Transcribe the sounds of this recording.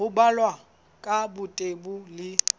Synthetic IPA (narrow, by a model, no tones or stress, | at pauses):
ʊbalwa | kʼabʊtʼebʊlɪ